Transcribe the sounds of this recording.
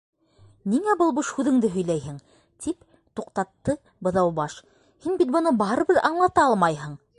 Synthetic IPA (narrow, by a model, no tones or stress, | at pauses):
niŋæbɤlˠbuʃhʉðɘ̆ŋd̪ɘɦɵ̆jlæjɦɘŋ | t̪ʰip | t̪uqt̪ɑt̪ːɤ | bɤ̆ðɑwbɑʃ | hinbit̪̚bŏnɤbɑɾɤ̆βɤðɑɴlˠɑt̪ɑɑlˠmɑjɦɤɴ